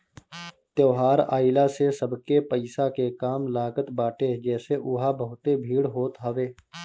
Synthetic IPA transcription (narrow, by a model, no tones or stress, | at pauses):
t̪joːɦaːɾa̰ːɪlasesəbkepəɪsakekaːmlaːɡət̪baːʈed͡ʒɛːseʔʊɦabəɦʊt̪ebʱiːɽɦoːt̪ɦəʋeː